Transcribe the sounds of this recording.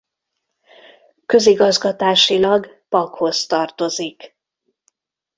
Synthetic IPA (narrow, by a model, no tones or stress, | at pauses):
kø̞ziɡɒzɡɒt̪aːʃilɒɡ | pɒkho̞st̪ɒrt̪o̞zik